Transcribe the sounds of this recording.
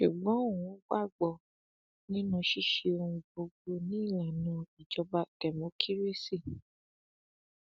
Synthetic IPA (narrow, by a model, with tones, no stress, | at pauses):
ʃu˨ɡ͡bɔ̃˨˦o˦˨ũ˨˦ɡ͡ba˦˨ɡ͡bɔ˨ | nĩ˦nũ˧ʃi˦˨ʃe˧o˧ũ˧bo˧ɡ͡bo˧nĩ˦i˦˨la˨nũ˧i˨d͡ʒɔ˧ba˧kɛ˨mõ˨˦kʰi˦ɾi˦˨si˦˨